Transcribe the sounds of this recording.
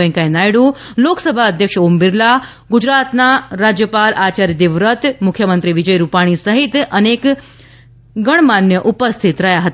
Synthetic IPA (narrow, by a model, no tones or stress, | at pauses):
ə̃ŋkajnajɽũ | loksəbʱaəd̪ʱjəkʂumbiɾla | ɡud͡ʑɾat̪naɾad͡ʑjəpalʔat͡ɕaɾjəd̪iʋɾət̪mukʰjəmənt̪ɾiʋid͡ʑəjɾupaɽ̃isəɦit̪ənek | ɡəɳ̃manjəʔupəst̪ʰit̪ɾɐɦjaɦət̪